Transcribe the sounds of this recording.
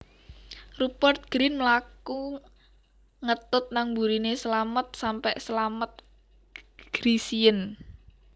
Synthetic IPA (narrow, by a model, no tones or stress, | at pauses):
rupɔrt̪̚ɡ̥ɾinməlaku | ŋət̪ʊt̪̚naŋbuɾinesəlamət̪̚sampɛʔsəlamət̪̚ | ɡ̥ɾisiən